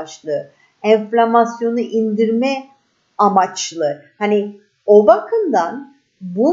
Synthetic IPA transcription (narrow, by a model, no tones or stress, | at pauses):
ʃlˠɯ | ɛnflʲamasjo̞nɯʔind̪iɾmɛ | amat͡ʃlˠɯhani | obakʰɯnd̪an | bu